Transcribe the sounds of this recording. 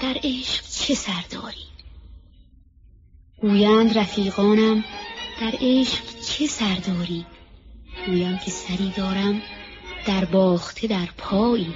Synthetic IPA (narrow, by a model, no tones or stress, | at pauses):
d̪̥æɾeːʃqt͡ʃʰesæɾd̪ɒ̰ːɾi̥ː | ɡ̥uːjænd̪ɾæfiːɣɒːnæmd̪̥æɾeːʃqt͡ʃʰesæɾd̪ɒːɾiːd̪̥ɡ̥uːjæmcʰesæɾiːd̪ɒːɾæm | d̪̥æɾbɒːxt̪ʰe̞d̪æɾpʰɒːiː